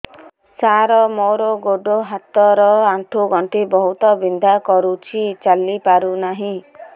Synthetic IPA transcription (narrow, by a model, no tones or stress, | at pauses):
saɾɔmoɾoɡoɖoɦat̪ɔɾɔaɳʈʰuɡʱɔɳʈibɔɦut̪ɔbind̪ʱakɔɾut͡ʃʰit͡ʃalipaɾunaɦĩ